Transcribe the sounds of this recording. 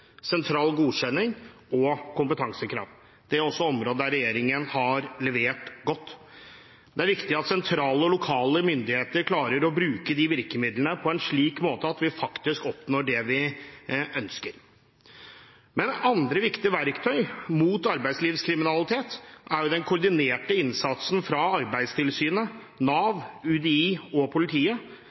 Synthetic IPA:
sɛnt̪ʰɾɑːlɡuːɕɛnːɪŋ | ɔkʊmpət̪ʰɑŋsəkʰɾɑ̰ːʋ | d̪̥ɛæɾɔsːɔɔmɾoːd̪əd̪æɾɛjeːɾɪŋənhɑɾlɛʋeːʈɡɔt̪ː | d̪ɛæɾʋɪkt̪ɪɑt̪sɛnt̪ʰɾɑːləɔlʊkʰɑːləmʏnd̪ɪheːt̪əɾkʰlɑːɾəɾɔbɾʉːkəd̪iʋɪɾkəmɪd̪lənəpʰɔɛnʂɭiːkmoːt̪əɑt̪ʋɪfɑkt̪ɪskɔpnoːɖɛʋɪ | ʔœnskəɾ | mɛnɑnd̪ɾəʋɪkt̪ɪəʋæɾkt̪ʰœʏmuːt̪ɑɾbæɪd̪sliːʋskʰɾɪmɪnɑlɪt̪ʰeːt̪æɾjʊd̪ɛnkʰʊɾɖɪneːʈəɪnsɑt̪sn̩fɾɑɑɾbæɪd̪st̪ʰɪlsyːnə | nɑːʋʉd̪ɛiːɔpʰʊlɪt̪ʰiːə

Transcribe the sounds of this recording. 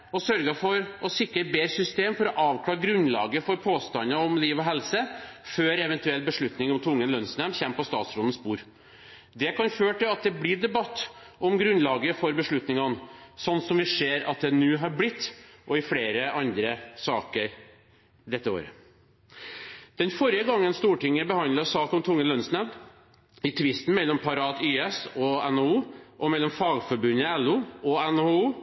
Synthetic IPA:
ɔsœɾɡəfɔɾɔsɪkːəʈbeːɾsʏst̪eːmfɔɾɔʔɑːʋkʰɽɑːɾɡɾʉnlɑ̰ːɡəfɔɾpʰoːst̪ɑnɑɔmliːʋɔɦɛlsəføːɾɛʋɛnt̪ʉɛlt̪bəʂɭʉt̪nɪŋɔmt̪ʰʊŋːənlœnsnɛmçɛmːpɔst̪ɑːt̪sɾɔd̪n̩spuːɾ | d̪ɛkɑnføːʈɪlɑt̪̚d̪ɛbliːɖɛbɑt̪ːɔmɡɾʉnlɑːɡəfɔɾbəʂɭʉt̪nɪŋɑnsɔnːsɔmʋɪʂeːɾɑ̰t̪̚d̪ɛnʉːɦɑɾblɪt̪ːʔɔɪfɽeːɾəʔɑnd̪ɾəsɑːkəɾ | d̪ɛt̪ːəo̰ːɾə̰ | d̪̥ɛnfɔɾjəɡɑŋːənst̪uːʈɪŋːəbəhɑnd̪ɑsɑːkɔmt̪ʰʊŋːənlœnsnæb | ɪt̪ʰʋɪst̪n̩mɛlːɔmpʰɑɾɑːt̪yːɛsɔɛnouːʔɔmɛlːɔmfɑːɡfɔɾbʉnəɛlːuɔɛnhouː

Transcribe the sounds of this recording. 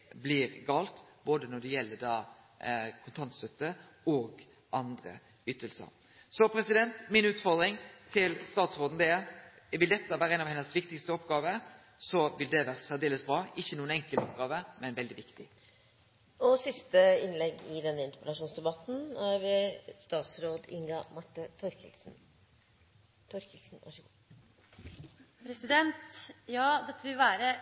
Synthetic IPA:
blɪɾɡɑːlt̪boːd̪ənɔɖɛjɛlːəɖɑː | kʰʊnt̪ʰɑnt̪st̪œt̪ːə | ɔːɡ | ʔɑnd̪ɾə̰ | ʏt̪ːəlsə̰ɾ | sɔpʰɾɛsɪd̪ɛnt̪mɪnʉːt̪fɔʁd̪ɾɪŋt̪ʰɪlst̪ɑːt̪sʁoːd̪n̩d̪ɛɛ | ʋɪld̪ɛt̪ːəʋæːɾəɛnɑʋhɛnːəsʋɪkt̪ɪkst̪əɔpɡɑːʋə | sɔʋɪld̪ɛʋæːʁəsæd̪eːləsbɾɑːɪçːənuːənɛŋkəlɔpɡɑːʋəmɛnɛnʋɛld̪ɪʋɪkt̪ɪ | ɔsɪst̪əɪnlɛɡɪd̪ɛnːəɪnt̪əpəd̪ɑʂuːnsd̪ɛbɑt̪n̩æɾʋɪst̪ɑːt̪sɾoːd̪ɪŋɡɑmɑʈːət̪ʰɔɾkəlsn̩ | t̪ʰɔɾkəlsn̩ʋɑ̰ʂəɡ | pʰɾɛsɪd̪ɛnt̪jɑːd̪ɛt̪ʰːəʋɪlʋæːɾə

